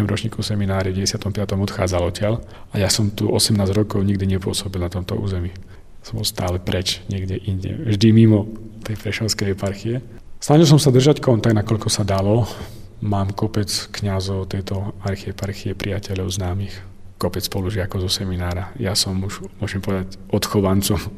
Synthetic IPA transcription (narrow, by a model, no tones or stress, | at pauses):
ɛmɾɔt͡ʃɲiːkɔsɛminaːɾivɟɛɛsɪat̪ɔmpɪat̪ɔmɔt̪xa̰ːd͡zalɔcɪaʎ | ajasɔmt̪uʔɔsɛmnaːzɾɔkɔʊɲiɡd̪iɲɛpʊɔsɔbilˠnat̪ɔmt̪ɔ̰ʔṵːzɛmiː | jasɔ̃mbɔlˠst̪aːlɛpɾɛt͡ʃɲɪɛɡɟɛʔiɲɟɛ̰vʒd̪imimɔt̪ɛjpɾɛʃɛʊskɛjɦɛpaɾxiɛ | snaʒilˠs̬ɔmsad̪r̩ʒackɔnt̪aɡnakɔʎkɔsad̪alɔ | maːmkɔpɛt͡skɲazɔʊt̪ɛjt̪ɔaɾxiɛpaɾxiɛpɾʔijacɛʎɔʊznaːmix | kɔpɛt͡sspɔluʒɪakɔzɔsɛminaːɾajasɔmuʒmʊɔʒɛmpɔʋɛd̪acʔɔt̪xɔʋant͡sɔm